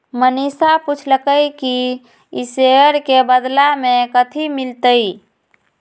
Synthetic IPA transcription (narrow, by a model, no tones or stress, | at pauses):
mənisaput͡ʃʰləkəjki | iseəɾkebəd̪lamekət̪ʰimilt̪əj